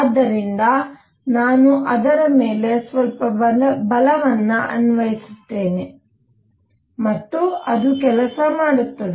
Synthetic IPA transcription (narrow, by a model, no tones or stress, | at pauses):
d̪ːɐɾind̪ɐ | naːnuʔɐd̪ɐɾɐmeːle̞sʋɐlpɐɐbɐlɐʋɐnːuʔɐ̰nʋɐjisut̪ːe̞ːne | mɐt̪ːuɐd̪ukɛlɐsɐmaːɽut̪ːɐd̪e